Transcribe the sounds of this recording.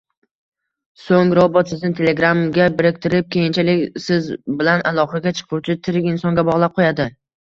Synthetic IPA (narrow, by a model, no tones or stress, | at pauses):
soŋɾɒbɒt̪sɪznɪt̪ʰe̞lʲe̞ɡɾamɡʲabɪɾɪk̚ʲt̪ʰɪɾɪp̚kʲe̞jɪnt͡ʃʰalɪkʲsɪzbɪlanalˠɒχɑɡʲat͡ʃʰɨ̥qʰʊwt͡ʃʰɪt̪ʰɪɾɪkʲɪnsɒŋɡʲabɒʁlˠap̚qʰojad̪ɪ